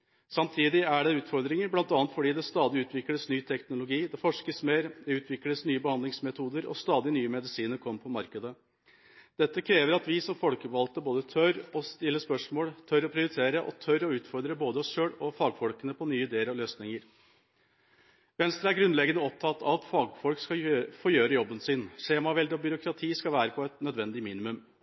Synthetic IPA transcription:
sɑmt̪ʰiːd̪ɪæɖɛʉːt̪fɔɾd̪ɾɪŋəɾblɑnt̪ɑːnət̪fɔɖiːd̪ɛst̪ɑːd̪ɪʉːt̪ʰʋɪkləsnyːt̪ʰɛknʊlʊɡiːd̪ɛfɔʂkəsmeːɾd̪ɛʉːt̪ʰʋɪkləsnyːəbəhɑnd̪lɪŋsmɛt̪ʰuːd̪əɾɔ̰st̪ɑːd̪ɪnyːəmɛd̪ɪsiːnəɾkʰɔmːpʰɔmɑɾkəd̪ə | d̪̥ɛt̪ːəkʰɾeːʋəɾɑt̪ʋɪsɔmfɔlkəbʋɑlt̪əboːd̪ət̪ʰœɾɔst̪ɪlːəspœʂmoːlt̪ʰœɾɔpʰɾɪʊɾɪt̪ʰeːɾəʔɔ̰t̪ʰœɾɔʉːt̪fɔɾd̪ɾəboːd̪əɔsʂøːɽɔfɑːɡfɔlkənəpʰɔnyːəɪd̪eːəɾɑʋløːsnɪŋəɾ | ʋɛnst̪ɾəæɾɡɾʉnlɛɡənəɔp̚t̪ʰɑt̪ːʰɑ̰t̪fɑːɡfɔlkskɑfoːjøːɾəjɔbːənsɪnʂeːmɑʋɛld̪ɔbʏɾʊkʰɾɑt̪ʰiːskɑʋæːɾəpʰɔɛt̪nœd̪ʋɛnd̪ɪmiːnɪmʉm

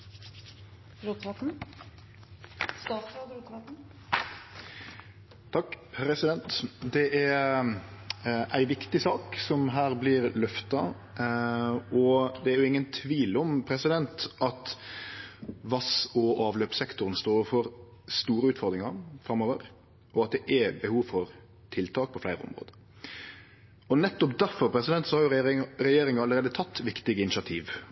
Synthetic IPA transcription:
ɾut̪ʋɑt̪n̩ | t̪ʰɑkːpʰɾɛsɪd̪ɛnt̪d̪ɛʔæɾ | ʔæɪʋɪkt̪ɪsɑːksɔmɦæːɾblɪɾlœft̪ɑ | ɔd̪ɛæɾjʊɪŋːənt̪ʰʋiːlɔmpʰɾɛsɪd̪ɛnt̪ʔɑt̪ | ʋɑsɔʔɑːʋløːpsɛkt̪ʊɾənst̪oːfɔɾ | st̪uːɾəʉːt̪fɔɾd̪ɾɪŋɑfɾɑmːoːʋəɾ | ʔɔɑt̪̚d̪ɛʔɛbəhuːʋfɔɾ | t̪ʰɪlt̪ʰɑːk̚pʰɔflæɪɾəɔ̰mɾo̰ːd̪ə | ɔnɛt̪ːɔpd̪æɾfɔɾpʰɾɛsɪd̪ɛnt̪sɔhɑɾjʊɾɛjeːɾɪŋɑləɾeːd̪ət̪ʰɑt̪ːʋɪkt̪ɪɡəɪnɪt͡ʃɪɑt̪ʰiːʋ

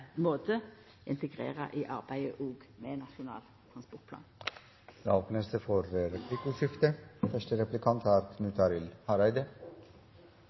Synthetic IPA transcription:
moːt̪ʰə | ʔɪnt̪əɡʁḛːʁə̰ʔiːʔɑʁbæɪəʔoːɡmenɑʃʊnɑ̰ːl | t̪ʰʁɑnspɔʁt̪̚pʰlɑ̰ːn | j̪ɑ̰oːpnəsd̪əfɔɾɾɛpʰlɪkʊʂɪft̪əfœʂʈəɾɛplɪkʰɑnt̪ʰæːɾkʰnʉːt̪ʰɑɾɪlhɑɾæɪd̪ə

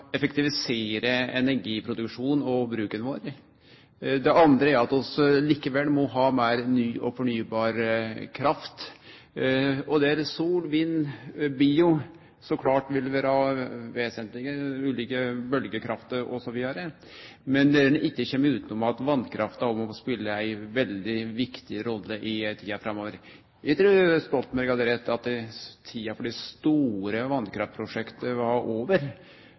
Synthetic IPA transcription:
ɛfɛkt̪ɪʋɪseːɾəɛnæɾɡiːpʰɾʊd̪ʉkʂuːnɔbɾʉːkənʋoːɾ | d̪ɛʔɑnd̪ɾəæɾɑt̪ɔsliːkəʋɛlmɔɦɑːmæɪɾnyːʔɔfɔɳyːbɑːɾkʰɾɑft̪ | ɔd̪ɛæɾsuːlʋiːnːbiːʊ | sɔkʰlɑːʈʋɪlʋɪɾhɑʋeːsənt̪lɪɡəʉːliːkəbœlɡəkʰɾɑft̪əɾɔ̰sɔʋiːd̪ɑɾə | mɛnd̪ɛnɪkːəçɛmːəʉːt̪ənɔmɑt̪ʋɑnkʰɾʔɑft̪ɑɔmɔspɪlːəæɪʋɛld̪ɪʋɪkt̪ɪɾɔlːəʔɪt̪ʰiːɑfɾɑmːoːʋəɾ | ʋɪt̪ʰɾʉːst̪ɔlt̪mæɾɡɑd̪əɾɛt̪ːɑt̪̚d̪ɛt̪ʰiːɑfɔɖɛst̪uːɾəʋɑnd̪kʰɾɑft̪̚pʰɾʊʂɛkt̪əhɑʔoːʋəɾ

